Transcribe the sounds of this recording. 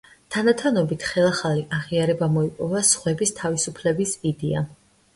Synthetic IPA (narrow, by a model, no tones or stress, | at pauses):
t̪ʰanat̪ʰanɔbit̪ʰχɛlˠaχaliʔaʁiaɾɛbamɔipʼɔvasχwɛbist̪ʰavisupʰlɛbisid̪ɛa